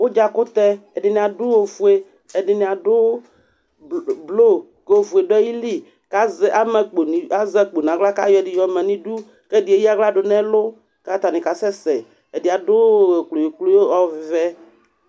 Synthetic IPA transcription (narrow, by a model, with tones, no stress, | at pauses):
wo˦d͡ʒa˦ko˦t̪ɛ˦e˨ɖɪ˨nĩ˨a˨ɖu˦wo˦vu˨e˦ | e˨ɖi˨nĩ˨a˨ɖo˦ | blo˦ | ke˦wo˨vu˨e˨ɖo˦ɛ˦ji˦li˦ | ka˦ze˨ʔa˦mɛ˨k͡po˨ni˨a˦zɛ˦k͡po˨nã˨ɡla˦ka̰˦jɔ˦e˨di˨jɔ˨mɛ̃˨nĩ˦ɖu˦ | ke˦di˨e˨ji˦a˦ɡla˦ɖo˨nɛ̃˦lo˦ | ka˦t̪a˨nĩ˨ka˨sɛ˦sɛ˨ | e˨di˨a˨ɖo˦˨klo˨je˨klo˦o˦ɔ˦˨vɛ˦